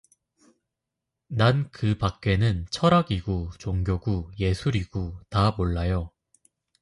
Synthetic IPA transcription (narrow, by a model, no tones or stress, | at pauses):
nankɯpak̚k͈e̞nɯnt͡ɕʰʌɾaɡiɡut͡ɕoŋɡjoɡuje̞sʰuɾiɡutamoɭːajo